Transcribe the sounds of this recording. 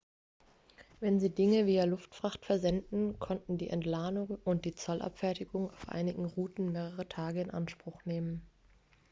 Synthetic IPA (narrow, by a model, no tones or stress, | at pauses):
vɛnziːdɪŋəviːɐlʊftfʁ̥aχtfɛɐzɛndn̩kʰɔntn̩dḭːʔɛntlaːnʊŋʔʊnt̚d̥iːt͡sɔlʔa̰pfɛɐtɪɡʊŋaʊfʔa̰ɪnɪɡŋ̩ʁuːtn̩meːʁ̞əʁ̞ətʰaːɡəɪnʔa̰nʃpʁ̥ʊχneːmən